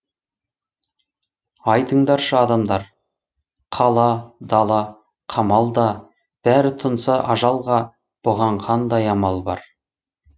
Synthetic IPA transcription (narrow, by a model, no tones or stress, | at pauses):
ɑjt̪əɴd̪ɑɾʃəɑd̪ɑmd̪ɑɾ | qʰɑlˠɑd̪ɑlˠɑ | qʰɑmɑlˠd̪ɑ | b̥æɾɪt̪ʰənsɑʔɑʒɑlˠʁɑ | b̥ʊʁɑɴqʰɑnd̪ɑjɑmɑlˠbɑ̰ɾ